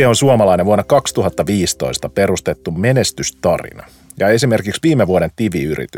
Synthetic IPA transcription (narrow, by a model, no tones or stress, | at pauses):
eonsuomɑlɑineʋuonːɑkɑkst̪uɦɑt̪ːɑʋiːst̪o̞̰ist̪ɑpe̞rust̪et̪ːumme̞nest̪yst̪ɑrḭnɑ̰ | jɑe̞sime̞rkiksʋiːmeʋuoɾe̞nt̪iʋiyrḭt̪y